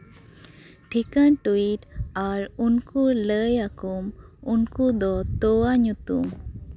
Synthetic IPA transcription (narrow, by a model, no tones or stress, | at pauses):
ʈʰikanʈuiʈaɾunkuləjakumunkud̪ɔt̪ɔwaɲut̪um